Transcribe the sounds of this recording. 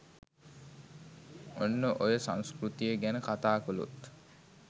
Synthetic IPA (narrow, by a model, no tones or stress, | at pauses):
onːəʔojəsãŋskrut̪ijəɡænəkat̪aːkulṵt̪